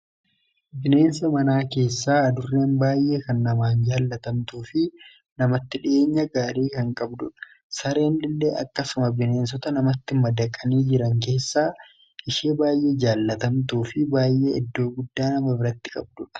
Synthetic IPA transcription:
bɪne̞ːnsɐmɐnaːke̞ːsːaːɐd̪ʊrːeːnbaːjʔe̞ːkɐnːɐmaːnd͡ʒaːlːɐt̪ɐmt̪uːfɪ | nɐmɐt̪ːɪᶑɪe̞ːɲːɐɡaːɾiːkɐŋkʼɐbd̪ʊᶑɐ̥ | sɐɾe̞ːnlɪlːeːʔɐ̰kːɐsʊmɐbɪne̞ːns̬ɔt̪ɐnɐmɐt̪ːɪmɐd̪ɐkʼːɐniːd͡ʒɪɾɐŋke̞ːsːaː | ʔɪʃeːbaːjʔe̞ːd͡ʒaːlːɐt̪ɐmt̪uːfɪbaːjːeːɪd̪ːo̞ːɡʊd̪ːaːnɐmɐbɪɾɐt̪ːɪ̥kʼɐbd̪ʊᶑɐ̥

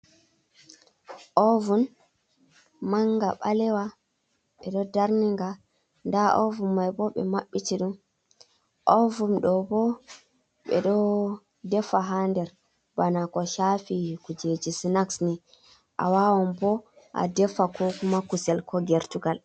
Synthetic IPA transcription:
ʔɔvun | maŋɡaɓalɛwa | ɓɛɗɔdaɾniŋɡa | ndaʔɔvunmajbɔɓɛ̰maɓːitiɗum | ʔɔvunɗɔbɔ | ɓɛ̰ɗɔ | dɛfaɦandɛɾ | banakɔʃafikud͡ʒed͡ʒisinaksni | ʔa̰wawɔmbɔ | ʔa̰dɛfakʰɔkumakusɛlkɔɡɛɾtuɡal

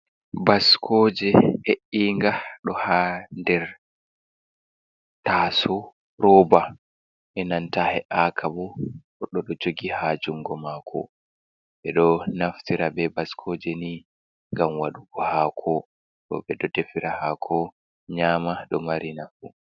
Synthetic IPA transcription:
baskʰɔːd͡ʒɛheʔiŋɡaɗɔhandɛɾ | taːsɔ | ɾɔba | ʔɛnantahɛʔakʰabu | ɔɗɔɗɔd͡ʒoɡihad͡ʒuŋɡɔmakʰɔ̰ | ɓɛɗɔnaftiɾabɛbaskʰɔd͡ʒɛni | ŋɡamwaɗuɡɔhakʰɔ | ɗɔ̰ɓɛɗɔdefiɾahakʰɔ | ɲaːmaɗɔmaɾinafu

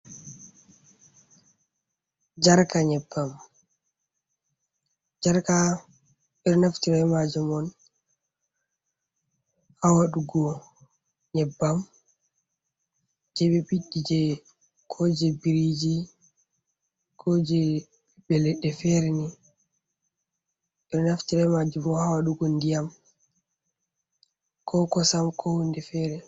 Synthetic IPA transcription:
d͡ʒaɾkaɲɛbːam | d͡ʒaɾka | ɓɛɗɔnaftiɾamad͡ʒɛmɔn | awaɗuɡɔ | ɲɛbːam | d͡ʒɛɓɛɓiɗːid͡ʒɛ | kʰɔd͡ʒɛbiɾid͡ʒi | kʰɔd͡ʒɛ | ɓɛbɛlɛɗɛfɛɾɛni | ɛɾnaftiɾajmad͡ʒumɔnhawaɗuɡɔndijam | kʰɔkɔsamkʰɔhundɛfɛɾɛ

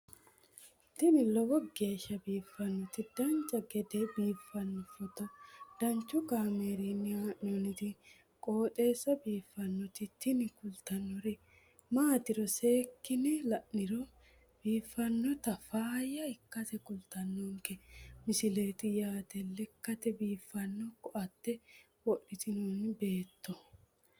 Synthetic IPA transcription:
t̪ɪnɪlɔwɔɡe̞ːʃːɐbiːfːɐnːɔt̪ɪd̪ɐnt͡ʃːɐɡɛd̪ɛbiːfːɐnːɔfɔt̪ɔd̪̥ɐnt͡ʃːʊɡaːmeːɾinːɪaːʔɔnɪd̪ɪ | kʼo̞ːt̪ʼe̞ːsːɐbiːfːɐnːɔt̪ɪt̪ɪnɪkʊlt̪ɐnːɔɾɪ | maːt̪ɪɾɔse̞ːkːɪnɛlɐʔnɪɾɔ | b̥iːfːɐnːɔt̪ɐfaːjɐɪkːɐt̪ɛkʊlt̪ɐnːoːŋkɛmɪsɪle̞ːt̪ɪjaːt̪ɛlɛkːɐt̪ɛbiːfːɐnːɔkɔʔɐt̪ːɛ | wɔʔɪt̪ɪnoːnɪbe̞ːt̪ʰːɔ

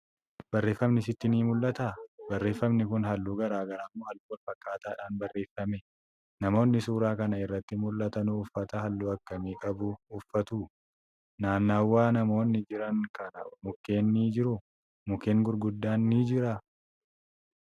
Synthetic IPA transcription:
b̥ɐrːe̞ːfːɐmnɪsɪt̪ːɪniːmʊlːɐt̪aːbɐrːe̞ːfːɐmnɪkʊnɦɐlːuːɡɐɾaːɡɐɾaːmːoːhɐlːuːwɐlfɐkːaːt̪aːᶑaːnbɐrːʔe̞ːfːɐmɛ | nɐmo̞ːnːɪsuːɾaːkɐnɐɪrːɐt̪ːɪmʊlːɐt̪ɐnuːfːɐt̪ɐhɐlːuːɐkːɐmiːkʼɐbuːʊfːɐt̪uː | naːnːaːwːaːnɐmo̞ːnːɪd͡ʒɪɾɐŋkɐnɐmʊkːe̞ːnːiːd͡ʒɪɾʊ | mʊkːe̞ːŋɡʊɾɡʊd̪ːaːnːiːd͡ʒɪɾɐ

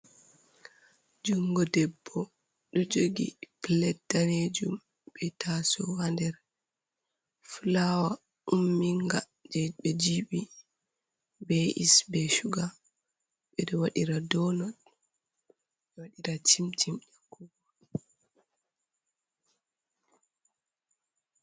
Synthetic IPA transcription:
d͡ʒuŋɡɔdɛbːɔ | ɗɔd͡ʒoɡḭplɛtːaned͡ʒum | ɓɛtʰasɔhandɛɾ | fulawa | umːiŋɡa | d͡ʒɛɓɛd͡ʒiɓi | bɛʔḭsbɛʃuɡa | ɓɛɗɔwaɗiɾadɔnɔɗ | ɓɛwaɗiɾatimtimjakuɡɔ

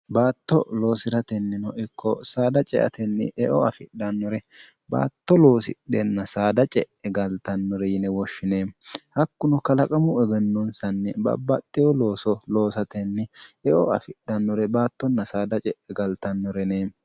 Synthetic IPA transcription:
baːt̪ːɔ̰lo̞ːsɪɾɐt̪ɛnːɪnɔʔɪkʰːɔsaːd̪ɐt͡ʃʼɛʔɐ̰t̪ɛnːɪ̰ʔɛʔɔɐfɪɗɐnːɔɾɛ | ba̰ːt̪ːɔlo̞ːsɪɗɛnːɐsaːd̪ɐt͡ʃʼɛʔɛɡɐlt̪ɐnːɔɾɛjɪnɛwɔʃːɪneːmhɐkːʊnʊkɐlɐkʼɐmʊɛɡɛnːɔnsɐnːɛbɐ̰bːɐt̪ʼːɛjɔlo̞ːsɔlo̞ːsɐt̪ɛnːɪɛʔɔɐ̰fɪɗɐnːɔɾɛbaːt̪ːɔnːɐsaːd̪ɐt͡ʃʼɛʔɛɡɐlt̪ɐnːɔɾɛneː

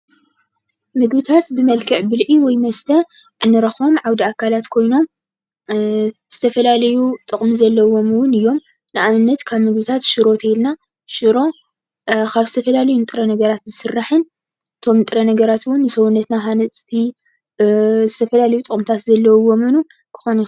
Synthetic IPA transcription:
mɨɡbɨt̪ʰat̪bɨmɐlkʰɐʕbɨlʕiwɔjmɐst̪ʰɐ | ʕɨnːɨɾɐxo̞mʕawd̪iakʰːalat̪kʰo̞jno̞m | z̥ɨt̪ʰɐfɐlalɐjut̪ʼɨχʼmizɐlːɐwo̞mɨwʊnɨjːo̞m | nɨʔamɨnːɐt̪kʰaβmɨɡbɨt̪ʰat̪ʃɨɾo̞t̪ʰɐilna | ʃɨɾo̞ | kʰaβzɨt̪ʰɐfɐlalɐjunt̪ʼɨɾɐnɐɡɐɾat̪zɨsɨrːaħɨn | ɨt̪ʰo̞mnɨt̪ʼɨɾɐnɐɡɐɾat̪wʊnːɨsɐwunːɐt̪naɦanɐt̪ʰi | zɨt̪ʰɐfɐlalɐjut̪ʼɨχʼmt̪ʰat̪zɐlːɐwwo̞mɨnu | kʰɨ̥xoni

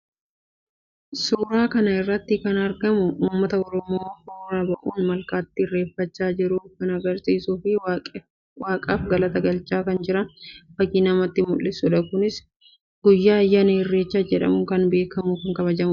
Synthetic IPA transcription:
suːɾaːkɐnɐɪrːɐt̪ːɪkɐnɐɾɡɐmʊuːmːɐt̪ɐɔɾɔmoːhoːɾaːbɐʔuːnmɐlkaːt̪ːɪɪrːe̞ːfːɐt͡ʃːaːd͡ʒɪɾʊkɐnɐɡɐɾsiːsuːfɪ | waːkʼaːfɡɐlɐt̪ɐɡɐlt͡ʃːaːkɐnd͡ʒɪɾɐnfɐkiːnɐmɐt̪ːɪmʊlːɪsʊᶑɐkʊnɪs | ɡ̥ʊjːaːjːanɪɪrːe̞ːt͡ʃːaːd͡ʒɛᶑɐ̰mʊŋkɐnbe̞ːkɐmʊkɐŋkɐβɐd͡ʒɐmʊ

